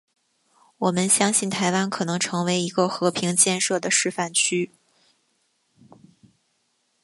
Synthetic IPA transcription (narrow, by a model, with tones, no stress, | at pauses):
wɔ˨˩mə˦nɕjɑ˥ŋɕi˥˩nt̪ʰa˧˥ɪwa˥nkʰɤ˨˩nɤ˧˥ŋʈ͡ʂʰɤ˧˥ŋwe˧˥ɪi˧˥ɡə˧xɤ˧˥pʰi˧˥ŋt͡ɕjɛ˥˧nʂɤ˥˩d̪ə˩ʂɻ̩˥˧fa˥˩nt͡ɕʰy˥